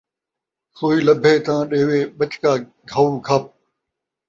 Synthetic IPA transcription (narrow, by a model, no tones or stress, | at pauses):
soːiːləbʱeːt̪ãːɗeːʋeːɓət͡ʃkaː | ɡʱɐũːkʰəp̚